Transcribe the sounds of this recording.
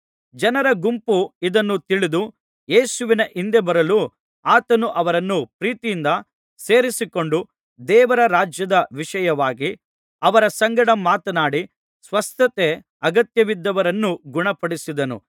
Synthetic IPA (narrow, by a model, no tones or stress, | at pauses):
d͡ʒɐnɐɾɐɡumpuid̪ɐnːut̪iɭid̪u | jeːsuʋinɐʔind̪e̞bɐɾɐlu | aːt̪ɐnuʔɐʋɐɾɐnːupɾiːt̪ijind̪ɐ | se̞ːɾisiko̞ɳɖu | d̪ɛːʋɐɾɐɾaːd͡ʒjɐd̪ɐʋiʂɐjɐʋaːɡi | ɐʋɐɾɐsɐŋɡɐɽɐmaːt̪ɐnaːɽi | sʋɐst̪ɐt̪e | ɐɡɐt̪jɐʋid̪ːɐʋɐɾɐnːuɡuɳɐpɐɽisid̪ɐnṵ